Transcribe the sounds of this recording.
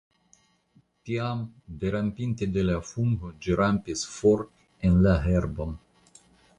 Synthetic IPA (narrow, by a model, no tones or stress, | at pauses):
t̪iamd̪eɾampint̪ed̪elafuŋɡod͡ʒiɾampisfoɾ | enlaɦeɾbon